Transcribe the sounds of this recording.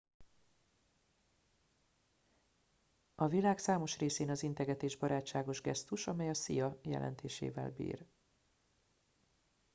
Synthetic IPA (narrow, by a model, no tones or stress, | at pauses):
ɒvilaːksaːmo̞ʃreːseːnɒzint̪ɛɡɛt̪eːʒbɒɾaːt͡ʃːaːɡo̞ʒɡɛ̰st̪uʃɒmɛjɒsḭjɒjɛ̰lʔɛ̰nt̪ʰeːʃḛːvɛ̰lbḭːr